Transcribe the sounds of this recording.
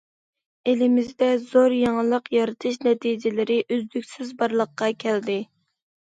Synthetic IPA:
elɪmɪzd̪ɛzoɾjɑŋlˠəqjɑɾɨt̪ʰɨʃnɛt̪ʰid͡ʒɪlɪɾɪʔyzd̪ykʲsɪzbɑɾlˠəqːɑkʲʰɛld̪ɪ

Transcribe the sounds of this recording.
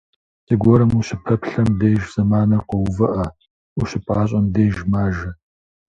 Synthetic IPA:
sɨɡʷɔɾɐmuɕɪpʰɐpɬɐmdeːjʒz̥ɐmaːnɐqɔwvɐʔɐ | uɕɪpʼaːɕʼɐmdeːjʒmaːʒɐ

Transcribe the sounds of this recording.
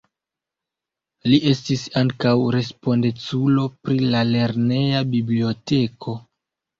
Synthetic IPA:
liʔe̞stisaŋkawɾe̞spo̞ndet͡sulo̞pɾilale̞ɾne̞jabiblio̞te̞kʰo̞

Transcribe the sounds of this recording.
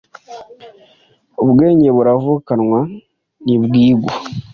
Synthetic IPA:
oβɡe̞ːɲɟe̞βuɾavukanŋwa | nibɡiːɡo

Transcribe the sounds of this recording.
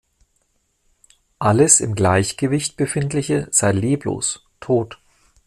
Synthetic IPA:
ʔaləsɪ̰mɡlaɪçɡ̥əvɪçtb̥əfɪntlɪçəz̥aɪliːplo̰ːs | tʰoːt

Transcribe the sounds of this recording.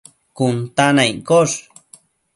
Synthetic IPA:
kʊnt̪anajkoʂ

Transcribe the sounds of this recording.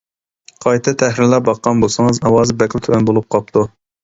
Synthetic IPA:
qʰɑjt̪ʰɨt̪ʰæhɾɪɾlɑɾbɑqːɑnbosɨŋɨzɑwɑːzɨbɛkʲlɪt̪ʰøɛnbolˠup̚qʰɑp̚t̪ʰu

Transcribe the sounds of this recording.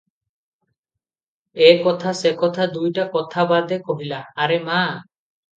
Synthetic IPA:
ekɔt̪ʰasekɔt̪ʰad̪ujʈakɔt̪ʰabad̪ekoɦilaːɾema

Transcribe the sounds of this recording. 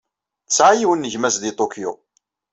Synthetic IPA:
t͡sːʕajiwənːəʝmæsðit̪ˤokjo̰

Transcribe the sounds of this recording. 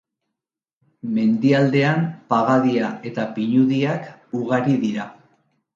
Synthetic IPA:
me̞nd̪iald̪e̞ampaɣaðiae̞t̪apiɲuðiakuɣaɾiðiɾa

